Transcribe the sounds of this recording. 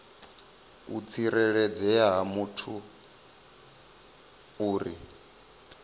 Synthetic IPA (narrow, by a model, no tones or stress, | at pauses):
ṵt͡sʰʼiɾɛɺɛd͡zɛaɦamutʰu | uːɾi